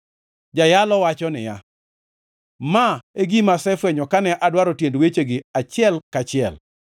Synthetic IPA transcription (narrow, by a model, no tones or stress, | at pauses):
d͡ʒajalɔwat͡ʃɔnɪ̰ja | maeɡimasɛfwɛɲɔkanɛʔadwaɾotjendwet͡ʃeɡɪat͡ʃɪɛlkat͡ʃɪɛ̰l